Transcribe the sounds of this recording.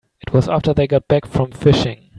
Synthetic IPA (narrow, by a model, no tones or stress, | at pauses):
ɨt̚wʌzæftə˞ðeɪɡɑt̚b̥ækfɹʌ̃ɱfɪʃɪ̃ŋ